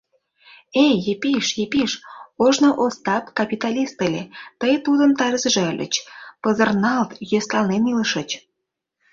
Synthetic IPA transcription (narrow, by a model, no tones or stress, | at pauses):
ejjepiʃjepiʃoʒnoʔost̪ɑpkɑpit̪ɑlʲist̪əlʲet̪əjt̪ud̪ənt̪ɑɾəzʒeəlʲʔə̰t͡ɕpəzərnɑlt̪jøst̪ɑlneniləʃət͡ɕ